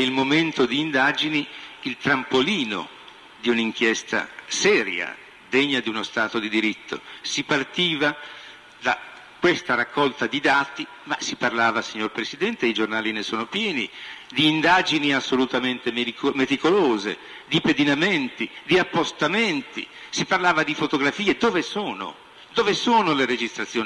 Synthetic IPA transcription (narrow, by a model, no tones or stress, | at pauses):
ilmoment̪od̪iːnd̪aːd͡ʒiniilt̪ɾampoliːno̰ | d̪iuniŋk̟jɛst̪a̰sɛːɾja̰ | d̪eɲːad̪iunost̪aːt̪od̪id̪iɾit̪ːo̰sipart̪iːva | d̪a | kwest̪aɾakʰːɔlt̪ad̪id̪aːt̪i | masiparlaːvasiɲːorpɾesid̪ɛnt̪eid͡ʒornaːlinesoːnopjɛːnid̪iːnd̪aːd͡ʒiniasːolut̪ament̪emmet̪ikoloːzḛ | d̪iped̪inament̪id̪iapːost̪ament̪ḭsiparlaːvad̪ifot̪oɡɾafiːed̪oːvesoːno̰ | d̪oːvesoːnoleɾed͡ʒist̪ɾat̪sjoː